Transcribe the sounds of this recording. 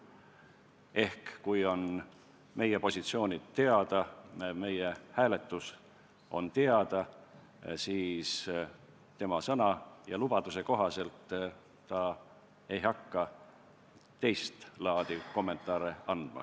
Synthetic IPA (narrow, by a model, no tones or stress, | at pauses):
e̞hkkujo̞n | me̞je̞po̞sʲit̪sio̞ːnʲid̪̥t̪ːe̞ɑd̪̥ɑme̞jehæːle̞t̪ːˑus | o̞̰nt̪e̞ɑd̪̥ɑ | siːs | t̪e̞mɑsɤnɑjɑlub̥ɑd̪̥use̞ko̞ɦɑse̞lt̪ː | ɑ | e̞jɦɑkːɑ | t̪e̞jst̪lɑːd̪̥iko̞mːe̞nt̪ˑɑːɾeɑnd̪̥mɑ̰